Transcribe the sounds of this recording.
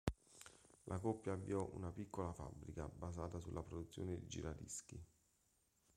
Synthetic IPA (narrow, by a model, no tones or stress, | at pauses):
lʔakɔpːjaːvːiɔʔṵnapikːolafa̰bːɾika̰bazaːt̪asulːʔapɾod̪ut̪sːjoːned̪ḭd͡ʒḭɾad̪ḭski